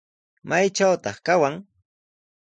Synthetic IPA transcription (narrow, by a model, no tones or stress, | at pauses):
majt͡ʃawt̪ɑχkawaŋ